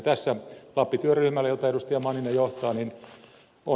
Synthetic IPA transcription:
t̪æsːælɑpːit̪yøryhmælːæjot̪ɑeɾust̪iɑmɑːninːejoht̪ɑːnin | o

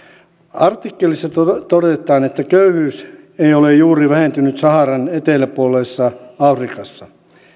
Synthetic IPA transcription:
ɑrt̪ikːelisːɑtt̪odet̪ˑɑːnet̪ːækøyhyːs | eiolejjuːriʋæhent̪ynyt̪sɑhɑrɑnet̪elæpuolˑesːɑɑfrikɑsːɑ

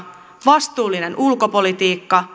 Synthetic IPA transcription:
ʋɑst̪uːlːinenʔulko̞po̞lit̪iːkːɑ

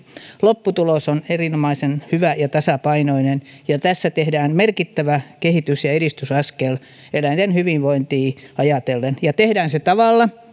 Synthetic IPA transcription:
lopːut̪ulosonerinomɑisenhyʋæjɑt̪ɑsɑpɑinoinenjɑt̪æsːæt̪ehdæːnmerkit̪ːæʋækehit̪ysjɑeɾist̪ysɑskel | elænt̪enhyʋiʋʋoint̪iːɑjɑt̪elːenjɑt̪ehdæːnset̪ɑʋɑlːɑ

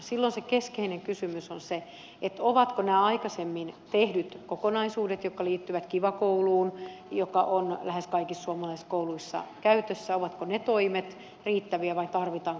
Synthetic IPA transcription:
silːonsekeskeineŋkysymysonse | et̪oʋɑt̪konæːɑikɑsemːint̪ehdyt̪kokonɑisuːdet̪jokːɑliːt̪ːyʋæt̪kiʋɑkouluːnjokɑʔonlæheskɑikissuɑmɑlɑiskouluisːɑ̰kæyt̪øsːæoʋɑt̪konet̪oimet̪ | riːt̪ːæʋiæʋɑit̪ɑrʋit̪ɑːŋ

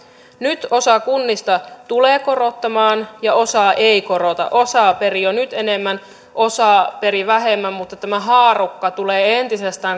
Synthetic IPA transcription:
nyt̪o̞sɑkunːist̪ɑt̪uleːko̞ro̞t̪ːɑmɑːnjɑo̞sɑːʔeiko̞ɾot̪ɑ̰ʔo̞sɑːperionyt̪enemːæn | ʔo̞sɑːpe̞ɾiʋæɦe̞mːæmmut̪ːɑt̪æmæɦɑːrukːɑt̪uleːe̞nt̪isest̪æːŋ

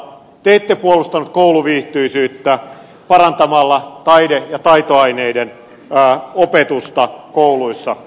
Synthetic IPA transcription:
t̪eit̪ːepuolust̪ɑnut̪̚kouluʋiːht̪yisyːt̪ːæ | pɑrɑnt̪ɑmɑlːɑt̪ɑidejɑt̪ɑit̪oɑineidenː | opet̪ust̪ɑkouluisːɑ

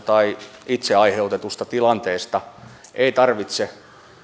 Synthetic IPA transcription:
t̪ɑiit̪seɑiheut̪et̪ust̪ɑt̪ilɑnt̪eːst̪ɑʔeit̪ɑrʋit̪se

